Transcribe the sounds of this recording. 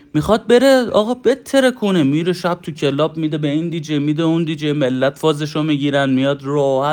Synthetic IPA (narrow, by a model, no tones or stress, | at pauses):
mixɒd̪̚be̞ɾeɒ̰ːɣɒːbet̪ʰːe̞ɾekʰonemiːɾeʃæb̚t̪ʰucʰelɒːb̚mid̪ebeind̪iːd͡ʒemiːd̪eund̪iːd͡ʒejmelːæt̪ʰfɒːzeʃomiɟiːɾænd̪̚mijɒːd̪rohæ